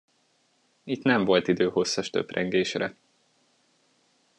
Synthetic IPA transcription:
it̪nɛɱvo̞lt̪id̪øːho̞sːɒʃt̪ø̰prɛŋɡeːʃrɛ

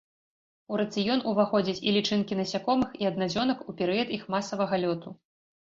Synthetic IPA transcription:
uɾɐt̪sɨjɔnuvaxɔd͡zʲɐt͡sʲḭlʲit͡ʂɨnkʲinɐsʲakɔmɨxiɐd̪nazʲɔnɐkupʲɛɾɨjɐt̪ixmasɐvɐɣɐlʲɔt̪u

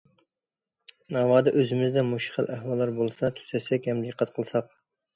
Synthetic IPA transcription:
nɑːwɑːd̪ɛʔøzɪmɪzd̪ɛmuʃχəlˠʔæhwɑlˠːɑɾbolˠsɑt̪ʰy̥sɛsɛkʲhɛmd̪əqʰːɑt̪̚qʰəlˠsɑq̚

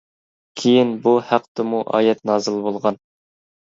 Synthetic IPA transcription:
kʲʰejinbuhæq̚t̪ɨmuʔɑ̰ːjɛt̪̚nɑːzɨlˠbolˠʁɑn

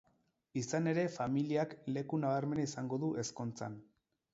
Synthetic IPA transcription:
isane̞ɾe̞familiakle̞kunaβ̞aɾme̞naisaŋɡo̞ðuʔe̞sko̞nt͡sa̰n

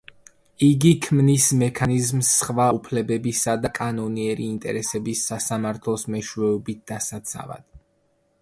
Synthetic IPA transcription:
iɡikʰmnismɛkʰanizmsːχvaupʰlɛbɛbisad̪akʼanɔniɛɾiːnt̪ʼɛ̰ɾɛsɛbisasamaɾt̪ʰlˠɔsmɛʃwɛɔbit̪̚d̪̥asat̪sʰa̰va̰d̪̥

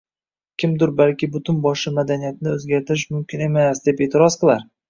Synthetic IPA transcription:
kʲʰɪmd̪ʊɾbalkʲɪbʊt̪ʰʊnbɒʃɪmad̪anijat̪ɪnɪɵzɡʲaɾt̪ʰɪɾɪʃmʊmkʲɪne̞masd̪e̞pe̞ːt̪ʰɪɾɒzqɨlˠaɾ

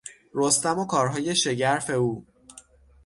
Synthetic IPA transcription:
ɾost̪æmokʰɒːɾɦɒːje̞ʃe̞ɟæɾfe̞uː

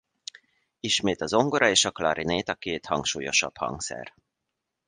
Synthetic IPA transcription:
iʃmeːt̪ɒzo̞ŋɡoɾɒeːʃɒklɒɾineːt̪ɒkeːt̪hɒŋkʃuːjo̞ʃɒ̰phɒ̰ŋksɛ̰r

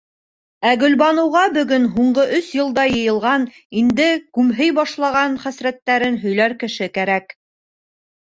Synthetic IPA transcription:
æɡɵ̆lbɑnɤ̆wʁɑbɵ̆ɡɵnɦuɴɢɤʔɵsjɤ̆lˠd̪ɑjɤ̆jɤ̆lˠʁɑn | ind̪ɘkʉmɦɘjbɑʃlˠɑʁɑnχæsɾæt̪ːæɾɘnɦɵ̆jlæɾkɘ̆ʃɘkæɾæk

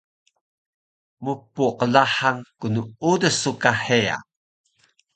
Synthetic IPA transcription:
mupːuqəlaħaŋkunuudəsukaħea̰

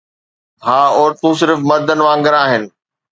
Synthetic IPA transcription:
bʱaːɔːɾt̪ũs̬ɪɾfmɐd̪ʱənɪ̆ʋãːŋɡəɾaːɦɪnɪ̆

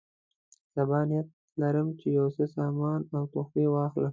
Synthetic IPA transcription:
sabɑːnijat̪̚ | laɾəmt͡ʃejawsesɑːmɑːnawt̪ʊxwewɑːxlam

